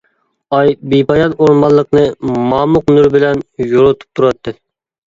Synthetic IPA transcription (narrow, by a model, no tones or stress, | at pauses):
ɑjbibɑjɑt̪oɾmɑlˠːəqnɨmɑːmʊqnuɾbɪlɛnjoɾot̪ʰu̥p̚t̪ʰuɾɑt̪ʰːɨ